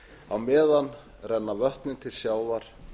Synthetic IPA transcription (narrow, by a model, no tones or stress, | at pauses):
awmɛːðan | rɛnːavœht̪nʏnt̪ʰɪlsjaːwðaɾ̥